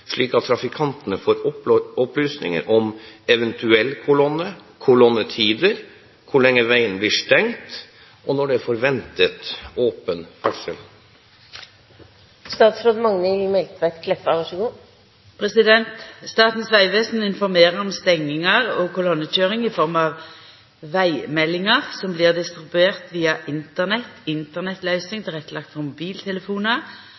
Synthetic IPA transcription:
ʂɭiːkɑt̪ːʰɾɑfɪkʰɑnt̪ənəfoːɾɔɔplyːsnɪ̰ŋə̰ɾʔɔmɛʋɛnt̪ʉɛlkʰʊlɔnːəkʰʊlɔnət̪ʰiːd̪əɾ | kʰʊɭɛŋːəʋæɪənblɪːʂʈɛŋt̪ | ʔɔnɔɖɛfɔɾʋɛnt̪ət̪oːpənfʰɑksəl | st̪ɑːt̪sfɾoːd̪mɑŋnɛlmɛlt̪ʋæt̪kʰlɛfɑʋɑʂəɡuː | pʰʁɛsɪd̪ɛnt̪st̪ɑːt̪n̩sʋæɪʋeːsn̩ɪnfɔʁmeːʁəʁɔmst̪ɛŋːɪŋəʁɔkʰʊlɔnːəc͡çøːʁɪŋɪfɔʁmɑʋ | ʋæɪmɛlːɪŋəʁsɔmbliːʁd̪ɪst̪ʁɪbʉeːʁt̪ʋiːɑʔɪnt̪əʁnɛt̪ɪnt̪əʁnɛt̪lœʏsɪŋt̪ʰɪʁɛkt̪lɑk̚t̪fɔʁmʊbiːlt̪ʰɛləfuːnə

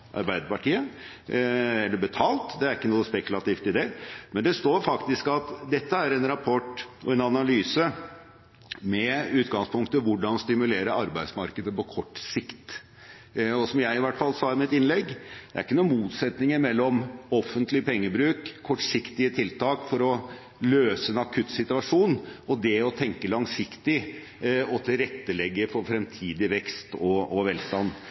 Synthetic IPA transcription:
ʔɑ̰ɾbæɪd̪əpɑʈiːə | ɛlːəbət̪ʰɑːlt̪d̪ɛæɾɪkːənuːəspɛkʉlɑt̪iːft̪ɪd̪ɛmɛnd̪ɛst̪oːɾfɑkt̪ɪskɑt̪d̪ɛt̪ːəæɾɛnɾɑpʰɔʈːɔ̰ɛnɑnɑlyːsə | mɛʉːt̪ɡɑŋspʰʊŋkt̪əʋʊɖɑnst̪ɪmʉleːɾəɾɑɾbæɪd̪smɑɾkəd̪əpɔkʰɔʈːsɪkt̪ | ɔsɔmjæɪɪʋæʈːfɑlːsɑːɪmɪt̪ɪnlɛɡːd̪̥ɛæɾɪkːənuːmuːt̪sɛt̪nɪŋəɾmɛlːɔmɔfːənt̪lɪpʰɛŋːəbɾʉːkʰːɔʈːʂɪkt̪ɪət̪ʰɪlt̪ʰɑːkfɔɾɔ | løːsəɛnɑkʰʉt̪ːsɪt̪ʉɑʂuːnɔd̪ɛɔt̪ʰɛŋkəlɑŋsɪkt̪ɪ | ɔt̪ʰɪlɾɛt̪ːəlɛɡːəfɔɾfɾɛmt̪ʰiːd̪ɪʋɛkst̪ɔɔʋɛlst̪ɑnː

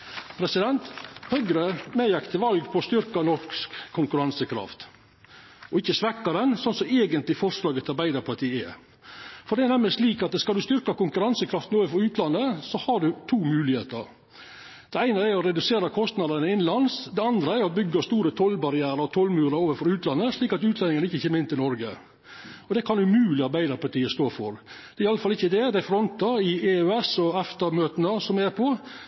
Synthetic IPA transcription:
pʰɾɛsɪd̪ɛnt̪hœɡɾəmeːjɑkt̪ʰəʋɑlɡpʰɔst̪ʏɾkɑnɔkskʰːʊŋkʉɾɑnsəkʰɾɑ̰ft̪ | ɔɪçːəsʋɛkːɑd̪ɛnsɔnsɔeːɡənt̪lɪfɔɾslɑːɡəɑɾbæɪd̪əɾpʰɑt̪ʰiːɛə | fɔɖ̪ɛɛnɛmləsʂliːkɑt̪̚ɛskɑld̪ʉst̪ʏɾkɑkʊŋkʉɾɑnsəkʰɾɑft̪n̩oːʋəfɔɾʉːt̪ʰlɑnːəsɔhɑɖʉt̪ʰuːmʉːlɪheːt̪ə̰ɾ | d̪̥ɛæɪnəæɾɔɾɛd̪ʉseːɾɑkʰɔst̪nɑd̪ənəɪnlɑnsd̪ɛɑnd̪ɾəæɾɔbʏɡːəst̪uːɾət̪ʰɔlbɑɾɪæːɾəɔt̪ʰɔlmʉːɾɑɾoːʋənfɔɾʉːt̪lɑnːəsɭiːkɑt̪ʉːt̪lɛnɪŋənɪçːəçʰeːməɪnt̪ɪlnɔɾɡə | ɔd̪ɛkʰɑnʉmʉːlɪɑɾbæɪd̪ɑpʰæʈ̪iːəst̪oːfɔɾd̪ɛɾɪɑlːəfɑlɪçːəd̪ɛd̪ɛæɪfɾɔnt̪ɑɪeœɛsɔɛft̪ɑmøːt̪nəsɔmɛɾpʰɔ

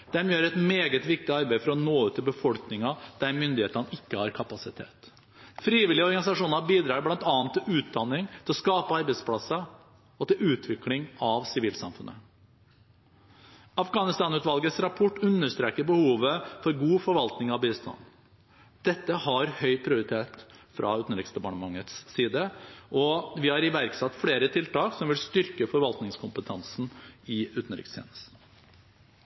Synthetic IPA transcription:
d̪̥ɛmjøːɾɛt̪meːɡət̪ʋɪk̚t̪ɪɑɾbæɪfɔɾɔnoːʉːt̪ʰːɪlbəfɔlknɪŋɑd̪̥æɾmʏnd̪ɪheːt̪nəɪkːəhɑɾkʰɑpɑsɪt̪ʰḛːt̪ | fɾiːʋɪlɪəɔɾɡɑnɪsɑʂuːnɑbiːd̪ɾɑːɾblɑnt̪ɑːɑnt̪ːɪlʉːt̪̚d̪ɑnːɪŋt̪ʰɪlɔskɑːpəɑɾbɛɪspʰlɑsə | ɔt̪ɪlʉːt̪ʰʋɪklɪŋɑʋsɪʋiːlsɑ̰mfʉnːə̰ | ɑfɡɑːnɪst̪ɑːnʉːt̪ʋɑlɡəsɾɑpʰɔʈːʉnːəʂt̪ɾeːkəɾbəhuːʋəfɔɾɡuːfɔɾʋɑlt̪nɪŋɑʋbiːst̪ɑ̰n | d̪̥ɛt̪ːəhɑɾhœʏpʰɾɪʊɾɪt̪ʰeːt̪fɾʔɑ̰ʉːt̪n̩ɾɪksəbɑɳəmɑŋət̪sːiːd̪əɔʋɪhɑɾɪʋæɾksɑt̪ːfleːɾət̪ʰɪlt̪ɑːksɔmʋɪlst̪ʏɾkəfɔɾʋɑlt̪nɪŋskʰʊmpət̪ʰɑnsn̩ɪʉːt̪n̩ɾɪ̰kst̪ʰjɛ̰ːnəst̪n

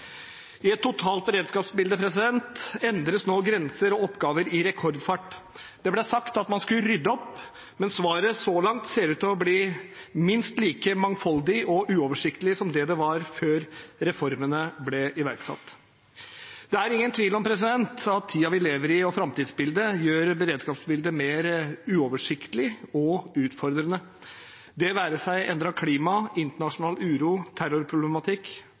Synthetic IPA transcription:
ɪɛt̪ʰːʊt̪ʰɑːlt̪̚bəɾeːd̪skɑːpsbɪld̪əpʰɾɛsɪd̪ɛnt̪ɛnd̪ɾəsnoːɡɾɛnsəɾɔɔpːɡɑːʋəɾɪɾɛkʰɔɾd̪fɑʈ | d̪̥ɛblɛsɑkt̪ɑt̪mɑnskʉləɾʏd̪ːəɔpː | mɛnsʋɑːɾəsɔlɑŋt̪seːɾʉːt̪ɔbliːmɪnst̪liːkəmɑŋfɔld̪ɪʔɔʔʉːɔːʋəʂɪkt̪əlɪsɔmd̪ɛd̪ɛʋɑɾføːɾɾɛfɔɾmənəblɛɪʋæɾksɑ̰t̪ː | d̪̥ɛæɾɪŋːənt̪ʰʋiːlɔmpʰɾɛs̬ɪd̪ɛnt̪ɑt̪ʰːiːɑʋɪleːʋəɾɪɔfɾɑmt̪iːd̪sbɪld̪əjøːɾbəɾeːd̪skɑːpsbɪld̪əmeːɾʉːɔʋəʂɪkt̪əlɪɔʉːt̪fɔɾd̪ɾənə | d̪ɛʋæːɾəʂæɪʔɛnd̪ɾɑkʰliːmɑɪnt̪əɳɑʂʊnɑːlʉːɾuːt̪ʰæɾʊɾpʰɾʊblɛmɑt̪ʰɪkː

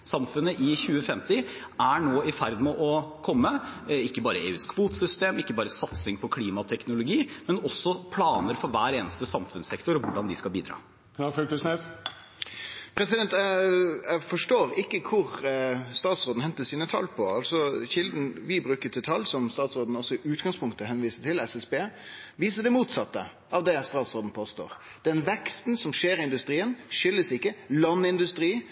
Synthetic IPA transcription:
sɑmfʉnəʔɪçʉːəfɛmt̪ɪ | æɳoːɪfæɾd̪mɛʔɔkʰɔmːəɪkːəbɑːɾəʔḛːʉːskʰʋuːt̪sʏst̪eːmɪkːəbɑːɾəsɑt̪sɪŋpʰɔkʰliːmɑt̪ʰɛknʊlʊɡiːmɛnɔsːɔpʰlɑːnəɾfɔɾʋæːɾeːnəst̪əsɑmfʉnsɛkt̪ʊɾɔʋʊɖɑnd̪ɪskɑbiːd̪ɾɑ̰ː | ɑføkəsnes | pʰɾɛsɪd̪ɛnt̪jæfɔʂʈoːɾɪkːəkʰʊɾst̪ɑːt̪sʁoːd̪n̩hɛnt̪əsiːnət̪ʰɑ̰lːpʰɔɑlsɔçɪld̪n̩ʋɪbɾʉːkət̪ʰɪlt̪ʰɑlːsɔmst̪ɑːt̪sɾoːd̪n̩ɔsːɔɪʔʉːt̪ɡɑŋspʰʊŋkt̪əhɛnʋiːsət̪ʰɪlɛsɛsbeːʋiːs̬əɖ̪ɛmuːt̪sɑt̪ːə̰ | ɑʋd̪ɛst̪ɑːt̪sʁoːd̪n̩pʰoːst̪o̰ːʁ | d̪̥ɛnʋɛkst̪n̩sɔmʂeːɾɪɪnd̪ʉst̪ɾiːənʂʏlːəsɪkːəlɑnːɪnd̪ʉst̪ɾiː

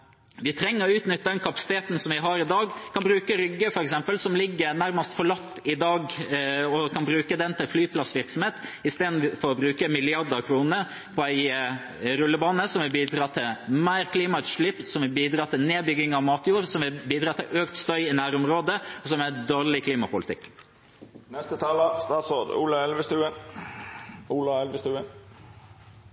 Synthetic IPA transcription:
ʋɪt̪ʰɾɛŋːəɾɔʉːt̪nʏt̪ːəd̪ɛnkʰɑpɑ̥sɪ̥t̪ʰeːt̪n̩sɔmʋɪɦɑɾɪd̪ɑːɡkʰɑnbɾʉːkəɾʏɡːəfɔɾɛksɛmpəlsɔmlɪɡːəɾnæɾməst̪fɔɭɑt̪ːɪd̪ɑːɡɔkʰɑnbɾʉːkəd̪ɛnt̪ʰɪlflyːpʰlɑsʋɪɾksɔmheːt̪ɪst̪eːd̪n̩fɔɾɔbɾʉːkəmɪlɪɑɾd̪əkʰɾuːnə | pʰɔæɪ | ɾʉlːəbɑːnəsɔmɛbiːd̪ɾɑːt̪ʰɪlmæɪɾkʰliːmɑʉt̪ʂlɪpːsɔmʋɪbiːd̪ɾɑːt̪ɪlneːbʏɡɪŋɑʋmɑːt̪juːɾsɔmɪbiːd̪ɾɑːt̪ʰɪlʔøːkt̪st̪œʏɪnæːɾʊmɾoːd̪əɔsɔmæd̪oːɾlɪkʰliːmɑpʊlɪt̪ɪ̰kː | nɛst̪ət̪ʰɑləst̪ɑːt̪sod̪ṵːlɑɛlʋəst̪ʉːə | uːlɑɛlʋəst̪ʉːə

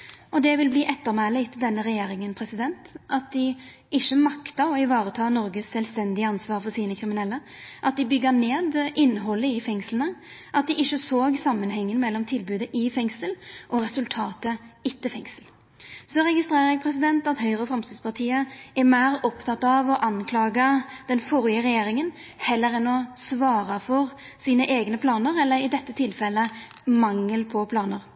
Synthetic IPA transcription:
ʔɔd̪ɛʋɪlbliːʔɛt̪ːəɾmæːlɪt̪ʰɪld̪ɛnːəɾɛjeːɾɪŋənpʰɾɛsɪd̪ɛnt̪ʔɑt̪̚d̪ɪ | ɪʃːəmɑkt̪ɑɔɪʋɑːɾət̪ʰɑːnɔɾɡəsːɛlst̪ɛnd̪ɪəɑnsʋɑːɾfɔɾsiːnəkʰɾɪmɪnɛlːə | ʔɑt̪̚d̪ɪbʏɡːəneːd̪ʔɪnːəɦɔlːəɪfɛŋslənəʔɑt̪̚d̪ɪʔɪçːəsoːɡsɑmːənɦɛŋːənmɛlːɔmt̪ʰɪlbʉːd̪əʔɪfɛŋsəlʔɔɾɛsʉlt̪ʰɑːt̪əɪt̪ːəfɛŋsəl | sɔɾɛɡɪst̪ɾeːʁəɾɛɡ̚pʰɾɛsɪd̪ɛnt̪ɑt̪hœʏʁəfɾɛmst̪ɪd̪spʰɑʁt̪ʰiːəɛmæɪʁɔpt̪ʰɑt̪ːɑʋɔʔɑnkʰlɑːɡəd̪̥ɛnfɔɾɪəɾɛjeːɾɪŋən | hɛlːəɾɛnɔsʋɑːɾɑfɔʁ | siːnəʔeːɡnəpʰlɑːnəɾɛlːəɾɪd̪ɛt̪ːət̪ʰɪlfɛlːə | mɑŋːəlpʰɔpʰlɑːnəɾ

